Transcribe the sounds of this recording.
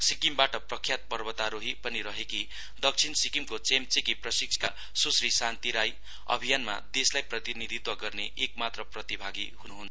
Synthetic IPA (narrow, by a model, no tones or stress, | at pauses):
sikimbaʈʌprʌkʰjat̪̚pʌrbʌt̪aɾoɦipʌniɾʌɦeki | d̪ʌk̚t͡sʰinsikimkot͡semt͡sekiprʌsik̚t͡sʰka | susrisant̪iɾaj | ʌ̰bʱijanma̰d̪eslajprʌt̪inid̪ʱit̪wʌɡʌrneʔek̚mat̪rʌprʌt̪ibʱaɡiɦunuɦun